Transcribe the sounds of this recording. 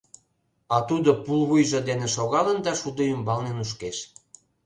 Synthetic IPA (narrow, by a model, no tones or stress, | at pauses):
ɑt̪ud̪opulβujʒod̪eneʃoɣɑlənd̪ɑʃud̪əjymbɑŋnenuʃ̬keʃ